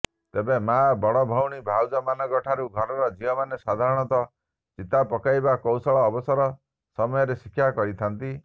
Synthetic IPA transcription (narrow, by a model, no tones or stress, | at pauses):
t̪ebemaabɔɽɔbʱɔwɽ̃ibʱawd͡ʒɔmanɔɡɔʈʰaɾuɡʱɔɾɔɾɔd͡ʒiɔmanesad̪ʱaɾɔɽ̃ɔt̪ɔ | t͡ʃit̪apɔkajbakɔwsɔɭɔːbɔsɔɾɔ | sɔmɔjɔɾesikʰːjakɔɾit̪ʰant̪i